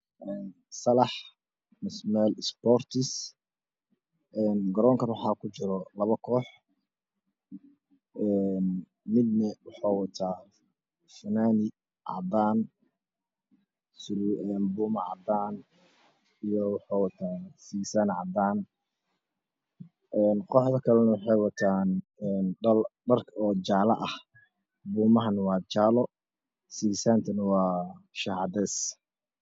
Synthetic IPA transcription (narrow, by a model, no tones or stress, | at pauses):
ʔɛːn | sɐlɑħ | mɪsmɛːlɪspɔrt̪ʰɪs | ʔɛːnɡɐɾɔːŋkʰɐnwɑħɑːkʰʊt͡ʃɪɾɔlɐβɐkʰɔːħ | ɛn | mɪd̪nɛwɑħɑːwɐt̪ʰaː | fɪnaːnɪ | ʕɑ̰d̪aːn | sʊɾɛːnbuːmɐʕɑ̰d̪aːn | ijɔwɑħɑːwɑt̪ʰaːsiːsaːnʕɑd̪aːn | ɛːnqɔħðɐkʰɐlɐnɐwɑħɑjwɑt̪ʰaːnɛnɖɐlɖɐrkʰɔːt͡ʃaːlɐ̰ʔɐh | buːmɐɦɐnwɑːt͡ʃaːlɔ | siːsaːnt̪ʰɐnwɑːʃahd̪ɛs